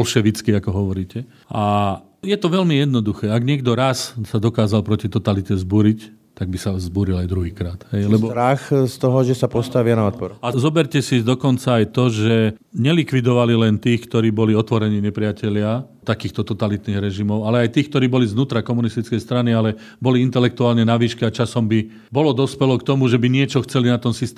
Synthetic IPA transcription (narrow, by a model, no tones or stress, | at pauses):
ɔlʃɛʋit͡skiakɔɦɔʋɔɾiːcɛ | ʔa | jɛt̪ɔʋɛlmijɛd̪nɔd̪uxɛːaɡɲɪɛɡd̪ɔɾassad̪ɔkaːzalpɾɔcit̪ɔt̪alit̪ɛzbuːɾict̪aɡ̚bisazbuːɾilajd̪ɾuɦiːkɾaːt̪ɦɛjlɛbɔɾaxst̪ɔɦɔʒɛsapɔst̪aʋɪanaɔt̪pɔɾazɔbɛɾcɛsid̪ɔkɔnt͡saːjt̪ɔʒɛ | ɲɛlikʋid̪ɔʋalilɛnt̪iːxkt̪ɔɾiːbɔliɔt̪ʋɔɾɛɲiːɲɛpɾɪacɛʎɪa | t̪akiːxt̪ɔt̪ɔt̪alit̪niːɣɾɛʒimɔʊalɛajt̪iːxkt̪ɔɾiːbɔlizʋnuːt̪ɾakɔmunist̪it͡skɛjst̪ɾanialɛ | bɔliint̪ɛlɛk̚t̪uaːlɲɛnaʋiːʃkɛat͡ʃasɔmbi | bɔlɔd̪ɔspɛlɔkt̪ɔmuʒɛbiɲɪɛt͡ʃɔxt͡sɛlinat̪ɔnsist̪